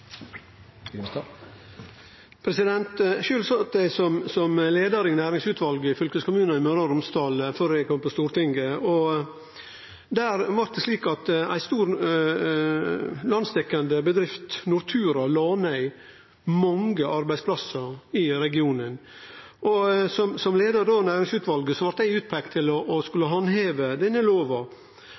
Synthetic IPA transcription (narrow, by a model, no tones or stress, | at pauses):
pʰɾɛsɪd̪ɛnt̪ʃʉːlsɑt̪d̪æɪsɔmsɔmleːd̪əɾɪnæːɾɪŋsʉːt̪ʰʋɑlɡəɪfʏlkəskʊmʉːnɑɪmøːɾɑɾʊmst̪ʰɑːlføːɾæɪkʰɔmpɔst̪uːɾt̪ɪŋɡəɔ | d̪æːɾʋɑɾt̪̚d̪ɛsliːkɑt̪æ̰ɪst̪uːɾ | lɑnsd̪ɛkːɑnd̪əbəd̪ɾɪft̪nʊɾt̪ʰʉːɾɑlɑːnæɪ | mɑŋɡəʔɑɾbæɪspʰlɑsəɾɪɾɛɡɪuːnən | ʔɔsɔmsɔmleːd̪əd̪oːnæːɾɪŋsʉːt̪ʋɑlɡəsɔʋɑɾʈ̪̚d̪æɪʉːt̪̚pʰɾɛkt̪ʰːɪlɔʔːskʉlːəɦɑnɦeːʋəd̪ɛnːəloːʋɑ